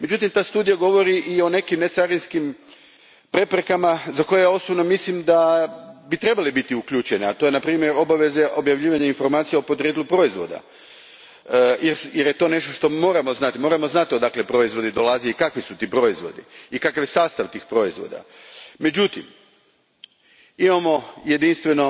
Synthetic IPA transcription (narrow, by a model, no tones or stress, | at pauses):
me̞d͡ʑut̪imt̪aːst̪uːd̪ijaɡo̞ʋo̞ɾiʔio̞ne̞kimnet̪saɾinskim | pɾe̞pɾe̞kamazako̞jejao̞sobno̞mislimd̪abit̪ɾe̞balibit̪iukʎut͡ʃeniat̪o̞jenapɾiːmjeɾo̞baʋe̞zeʔo̞bjaʋʎiːʋaɲainfo̞ɾmaːt̪sijeopo̞d̪ɾed̪lˠupɾo̞izʋo̞̰d̪a̰ | jeɾjeɾje̞t̪o̞ːne̞ʃt̪oʃt̪o̞mo̞ːɾamo̞znat̪imo̞ːɾamo̞znat̪io̞d̪akle̞pɾo̞izʋo̞d̪id̪o̞lˠazijoikakʋisut̪iːpɾo̞izʋo̞̰d̪ḭikakaʋjesaːst̪aʋt̪iːxpɾo̞izʋo̰d̪a̰me̞d͡ʑut̪ḭm | imamo̞je̞d̪inst̪ʋe̞no̞